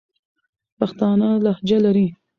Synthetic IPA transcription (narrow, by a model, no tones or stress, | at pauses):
paxt̪ɑnalahd͡ʒalaɾi